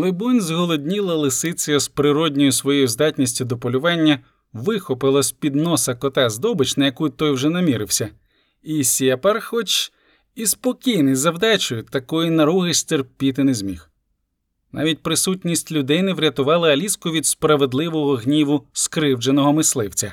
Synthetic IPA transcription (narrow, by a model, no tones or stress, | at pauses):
lˠebɔnʲzɦɔlˠɔdʲnʲilˠɐlˠɪsɪt͡s̪ʲɐjɔspɾɪɾɔdʲnʲɔjʊsʋɔjɔjʊzd̪ɑtʲnʲisʲtʲʊd̪ɔpɔlʲʊʋɑnʲːɐ | ʋɪxɔpɪlˠɐsʲpʲid̪nɔsɐkɔt̪ɛzd̪ɔbɪt͡ʃnɐjɐkut̪ɔjwʒɛnɐmʲiɾɪwsʲɐ | isʲɛpɐrxɔt͡ʃ | ispɔkʲijnɪjzɐwd̪ɛt͡ʃʊjʊt̪ɐkɔjinɐɾuɦɪʃt̪erpʲit̪ɪnezʲmʲix | nɑ̰ʋʲit̚ʲpɾɪsutʲnʲisʲtʲlʲʊd̪ɪnɪwɾʲɐt̪ʊʋɑlˠɐɐlʲiskʊʋʲid̪spɾɐʋe̞d̪lˠɪʋɔɦɔɦnʲiʋʊskɾɪwd͡ʒenɔɦɔmɪslˠɪwt͡sʲɐ̰